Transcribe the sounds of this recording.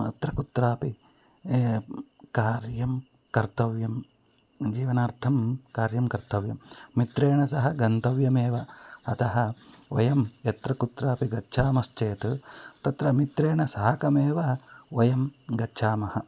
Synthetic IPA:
ɐ̰t̪ɾɐkut̪ɾaːpi | kaːɾjɐm | kɐɾt̪ɐʋjɐm | d͡ʒiːʋɐnaːɾt̪ʰɐmkaːɾjɐmkɐɾt̪ɐʋjɐmːit̪ɾeːɳɐsɐɦɐɡɐnt̪ɐʋjɐmeːʋɐɐt̪ɐɦɐɐ̰jɐmjɐt̪ɾɐkut̪ɾaːpiɡɐtːʃʰaːmɐst͡ʃeːt̪t̪ɐt̪ɾɐmit̪ɾeːɳɐsɐɦɐkɐmeːʋɐɐjɐmɡɐtːʃʰaːmɐhɐ

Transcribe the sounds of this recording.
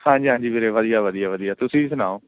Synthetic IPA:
hãːd͡ʒiːãːd͡ʒiːmeːɾeːʋəd̪ijaːʋəd̪ijaːʋəd̪ijaːt̪ʊsĩːsʊnaːoː

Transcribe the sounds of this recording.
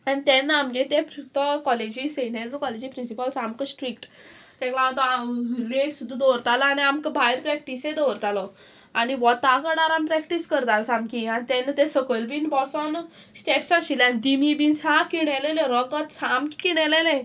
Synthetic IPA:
anit̪ɛ̃nːaamɡet̪ẽpɾt̪ɔkɔled͡ʑiseneɾɾkɔled͡ʑipɾinsipəlsamkəsʈɾik̚ʈ | t̪ɛ̃klaat̪ɔaleksud̪ʱːad̪ɔɾt̪alaaniamkəbʱajɾpɾɛk̚ʈisẽd̪ɔɾt̪alɔ | aniʋɔt̪akəɽaɾampɾɛkʈiskəɾt̪alɔsamkĩanit̪ɛnːət̪ẽsəkəlbinbɔsɔn | sʈeʈsaɕilãnd̪imibinsãkiɽɛleleɾɔkət̪samkkiɽɛlelẽ

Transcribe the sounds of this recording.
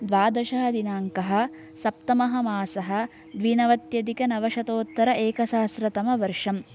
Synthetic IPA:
d̪ʋaːd̪ɐʃɐɦɐd̪inaːŋkɐɦɐ̆ | sɐp̚t̪ɐmɐɦɐmaːsɐɦɐ̆ | d̪ʋinɐʋɐt̪jɐd̪ikɐnɐʋɐʃɐt̪oːt̪ːɐɾɐʔeːkɐsaːsɾɐt̪ɐmɐʋɐɾʂɐm

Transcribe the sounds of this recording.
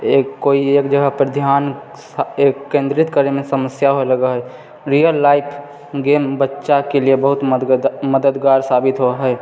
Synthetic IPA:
ekoieːkd͡ʒəɡəɦpəɾd̪ʱjaːn | sekkːẽːnd̪ɾɪt̪kəɾemẽsəməsjaɦoeləɡəɦɛ | ɾijəlːaːɪpʰ | ɡeːmbətːʃakeliebəɦʊt̪məd̪əd̪ɡaːɾsaːbɪt̪ɦoaɦɛ

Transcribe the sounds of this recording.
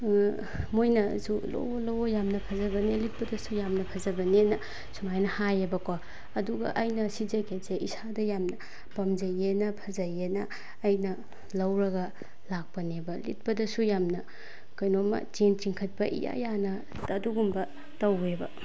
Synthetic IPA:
mojnɐzulo̰wlowojamnɐpʰɐzɐbɐnelit̚pɐdɐsujamnɐpʰɐzɐbɐnenɐ | sʰumajnɐhajebɐkwa | ɐduɡɐ̰ʔɐjnɐsid͡ʒɐkʰeseʔisadɐjamnɐ | pɐmd͡ʒɐjenɐpʰɐzajenɐː | jnɐ | lɐwɾɐɡɐ | lak̚pɐnebɐlḭt̚pɐdɐsujamnɐ | kɐjnomɐ̰t͡ʃent͡ʃiŋkʰɐt̚pɐʔḭja̰janɐ | ɐduɡumbɐ | tɐwebɐ̰

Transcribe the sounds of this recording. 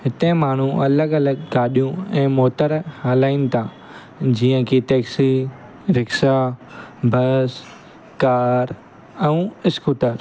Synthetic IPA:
ɦɪt̪ẽmaːɳ̤ũɐləɡɐləɡːaːɗijũɛ̃ːmoːt̪əɾhaːlaːɪnɪ̆t̪ʰãː | d͡ʑiːə̃kʰeteːksi | ɾɪksa | bʱɐs | kaːɾ | ɛ̃ũɪskuːʈəɾ

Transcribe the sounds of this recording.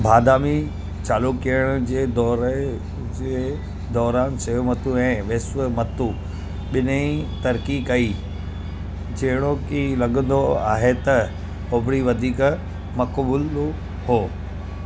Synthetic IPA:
bʱaːd̪aːmi | t͡ɕaːlukijəɽ̃ʊd͡ʑeːd̪ɔːɾ | d͡ʑe | d̪ɔːɾaːnsɐɦomɐt̪uɛ̃ːʋɪsʋəmɐt̪u | ɓɪnĩt̪ɐɾkikɐi | d͡ʑɐɦɪɽ̃okilɐɠə̃nd̪oa̰ːɦet̪ɐ | hoːbɾiʋɐd̪ʱiːk | mɐkbuːl | hoː

